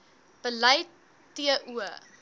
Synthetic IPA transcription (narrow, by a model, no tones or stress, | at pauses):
b̥əlɐj | tiəʔuə